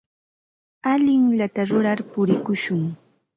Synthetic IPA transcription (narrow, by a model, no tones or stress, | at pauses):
aʎɪŋʎat̪aɾʊɾaɾpʊɾɪkʊʃʊŋ